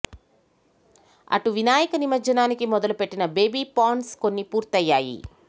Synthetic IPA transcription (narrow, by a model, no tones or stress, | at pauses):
ɐ̰ʈuʋinaːjɐkɐnimɐt͡ʃɐnaːnikimɔd̪ɐlupe̞ʈːinɐbe̞ːbiːpaːɳʈsko̞nːipuːɾt̪ɐjːaːjḭ